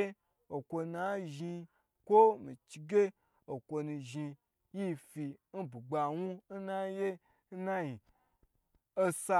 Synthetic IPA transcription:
e˦ | o˨kʷo˧na˦ʒi˧ | kʷo˦mi˨t͡ʃi˧ɡe˦ | o˨kʷo˧nũ˧ʒi˧ | ji˦fi˧n̩˦bu˨ɡ͡ba˧wu˦n̩˦na˦je˦ | n̩˦na˦ji˨ | o˦sa˧

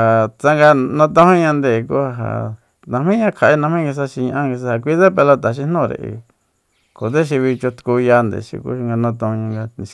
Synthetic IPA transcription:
a˨t͡sa˦ŋɡa˧nã˦t̪ã˧˦hõ˦ɲã˧nd̪e˧˨˧ku˦ha˧ɦa̰˨ | nã˧mĩ˦ɲã˧kʰa˨ʔi˦nã˧mĩ˦ɡi˧s̬a˦ʃi˧ɲã˧ʔã˦ŋɡi˧s̬a˧ha˧kʷi˦ðe˦pe˧lo˧t̪a˨ʃ̬i˧˦nõ˦˨ɾḛ˧˨ʔḭ˧ | ko˨ðe˦ʃ̬i˧βi˧t͡ʃo˧t̪u̥˧ku˧ja˧nd̪ḛ˨ʃḭ˧kṵ˦i˧ŋɡa˧nã˧t̪õ˧ũ˧ɲã˧ŋɡa˧nĩ˧

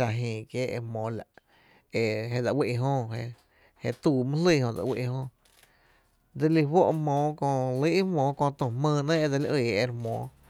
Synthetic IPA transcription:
a˧˨ɦĩː˨kjeː˦ḛ˧mõː˨˦la̰˨ʔ | e˧ɦe˧d͡za˧˨wi˦˧ʔɦõ˦˧ɦe˧ | he˧t̪uː˧˨mɨ̃˦li˦˧hõ˧˨d͡za̰˧wḭ˦ʔɦõ˧ | d̪e˧li˧wo˦ʔmõː˧˦kõ˧li˦ʔmõː˧˦kõ˧t̪õ˨mə̃ː˧nẽ˦e˧d͡za˧li˦˧ʔiː˧˨e˧ɾmɔ̰̃ː˨˦

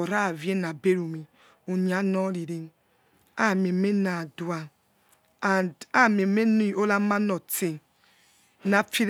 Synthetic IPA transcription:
ɔ˨ɾa˦˨vje˦na˨be˦ɾu˨mi˨ | u˨ni˨a˨˦nɔ˦ɾi˨ɾe˦n | a˦˨me˨˦me˦na˨du˨a˨ | a˨da˦˨me˨me˦n˦˨o˦la˦ma˦nɔ˨te˨ | na˨fi˦ɾ

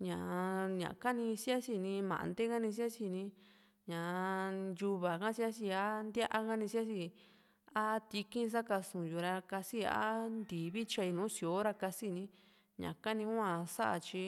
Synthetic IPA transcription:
ɲã˨ɲã̰˨ka˦nĩ˧si˦a˦si˧nĩ˧mã̰˨ʔnd̪e˦ka˦nĩ˧s̬i˦a˦t͡ʃi˧nĩ˧ | ɲã˨ju˧βa˨kã˦si˦a˦si˧a˦nd̪ʲa˦ʔa˧kã˦nĩ˧si˦a˦si˧ | a˦t̪i˧kĩ˦˧s̬a˦ka˧sũ˨ju˨ɾa˧ka˧si˦a̰˦nd̪i˨βi˦t͡ʃa˧i˧nũː˨˦si˧˨o˨˦ɾa˧ka˧si˧˨nĩ˧˦ | ɲã̰˨ka˦nĩ˧ũ˦ã˧sa˦ʔa̰˧t͡ʃi˧

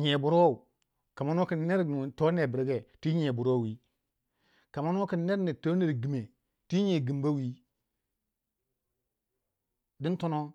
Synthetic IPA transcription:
ɲe˨bu˨ɾo˦˨u˨ | ka˨ma˦n˦o˦ki˨n˦ne˦ɾn˨to˦ne˨bi˨ɾɡe˨ti˦ɲe˨bu˨ɾo˦˨wi˦ | ka˨ma˦n˦o˦ki˨n˦ne˦ɾni˨to˦ne˨ɾɡi˨me˨ | ti˦ɲe˨ɡi˨mba˦wi˦ | di˦n˦to˦no˦

